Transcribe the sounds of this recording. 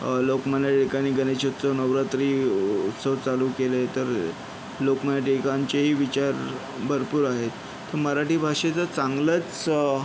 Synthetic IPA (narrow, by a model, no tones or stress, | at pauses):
lokmənaʈikaniːɡənet͡ɕot̪t͡sənəʋɾat̪ɾiːut̪səʋt͡saluːkelet̪əɾ | lokmənaʈikaɲt͡ɕeɦiːʋit͡ɕaɾ | bʱəɾpuːɾaɦet̪ː | əɾməɾaʈiːbʱaʂet͡sət͡saŋɡlət͡s